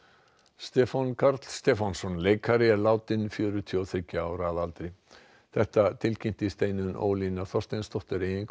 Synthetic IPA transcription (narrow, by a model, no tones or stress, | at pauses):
st̪ɛːfankʰaɾt̪l̥st̪ɛːfansɔnleːjkʰaɾɪɛɾlaːwt̪ɪnfjœːɾʏt̪ʰiɔθɾɪcːaaːwɾaðalt̪ɾɪ | θɛht̪at̪ʰɪlcʰɪm̥t̪ɪst̪eːjnʏnʔo̰ːwliːnaθɔst̪ejnst̪ɔht̪ʏɾeːjɪnk